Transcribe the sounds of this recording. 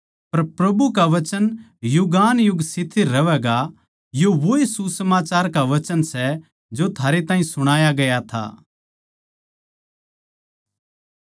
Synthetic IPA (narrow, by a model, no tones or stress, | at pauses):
pɐɾpɾɐbukaʋɐt͡ʃən | jʊɡaːnjʊɡsɪt̪ʰiɾɐʋɛːɡa | joʋoesusəmaːt͡ʃaːɾkaʋɐt͡ʃənsɛ | d͡ʒot̪ʰaːɾet̪ãːɦĩsʊɽ̃aːjaɡɐjat̪ʰa̰ː